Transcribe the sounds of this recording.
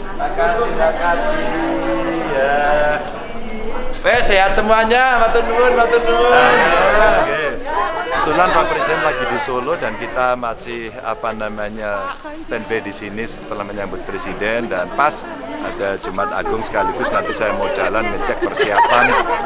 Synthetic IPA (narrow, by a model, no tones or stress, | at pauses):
akadakasi | ja | ɛseɦat̪səmuaɲamat̪uduʊnmat̪undunakebət̪ulanpak̚pɾesidɛnlaɡidisolodankit̪amasɪha̰panamaɲa | st̪ɛnbɛdisinɪst̪əlahməɲambʊt̪̚pɾesidɛndanpas | a̰dad͡ʒumaat̪a̰ɡʊŋsə̥kaliɡʊsnampisajamaud͡ʒalanmət͡ʃɛk̚pərsiapan